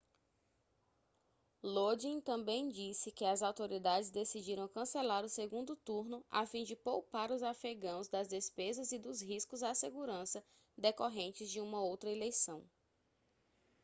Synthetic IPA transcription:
lod͡ʒĩt̪ɐ̃mbẽj̃d͡ʒisɪkɪɐzawt̪oɾid̪ad͡ʒɪzd̪esid͡ʒiɾɐ̃w̃kɐ̃selaɾʊseɡũnd̪ʊt̪uɾnʊa̰fĩd͡ʒɪpowpaɾʊzafeɡɐ̃w̃zd̪ɐzd̪espezɐzid̪ʊzɦiskʊzaseɡuɾɐ̃sɐ | d̪ekoɦẽnt͡ʃɪzd͡ʒɪũmɐowt̪ɾɐelejsɐ̃w̃

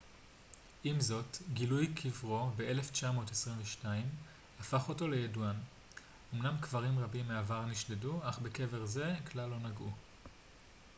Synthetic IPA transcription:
ʔimzo̞tɡilujkʰivʁo̞be̞ʔe̞le̞ft͡ʃamo̞ːtesʁiɱveʃtaim | hafaχo̞to̞le̞jeduan | o̞mnamkvaʁimʁabimːeavaʁniʃdeduaχbe̞ke̞ve̞ʁze̞kʰlalːo̞naɡʔu

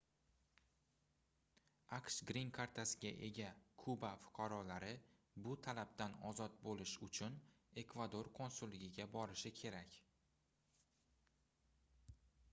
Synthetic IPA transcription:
aqʃɡɾiŋkʰaɾt̪ʰasɪɡʲaʔe̞ɡʲakʰʊbafʊ̥qʰɑɾɒlaɾɪ | bʊt̪ʰalab̚t̪anɒzɒt̪̚bolɪʃʊt͡ʃʰʊn | e̞kvad̪o̞ɾkʰonsʊlːɪɡʲɪɡʲabɒɾɪʃɪkʲʰe̞ɾakʲ

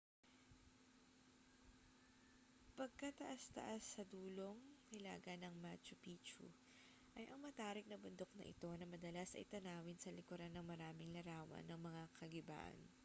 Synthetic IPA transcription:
pɐɡ̚kɐt̪ɐʔast̪ɐ̰ʔasːɐd̪uːlo̞ŋkɪla̰ːɡɐnɐŋmat͡ʃʊpiːt͡ʃṵ | ʔɐjʔɐŋmɐt̪aːɾɪk̚nɐbʊnd̪o̞k̚nɐ̰ʔɪ̰t̪o̞nɐmɐd̪ɐlasɐ̰jt̪ɐnaːwɪnsɐlɪkʊɾanːɐŋmɐɾaːmɪŋlɐɾaːwɐ̰nːɐŋmɐŋakʰɐɡɪba̰ːʔɐ̰n

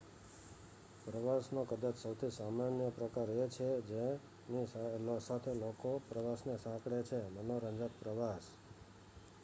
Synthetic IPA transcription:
pɾəʋasnokəd̪at͡ʃsəwt̪ʰisamanjəpɾəkaɾet͡ʃʰed͡ʒe | ninsat̪ʰelokopɾəʋasnesãkɽet͡ʃʰemənoɾə̃ɲd͡ʒət̪̚pɾəʋas

